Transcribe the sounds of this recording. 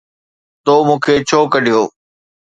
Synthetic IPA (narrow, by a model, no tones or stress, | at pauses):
t̪oːmũːkʰet͡ɕʰoːkəɗijoː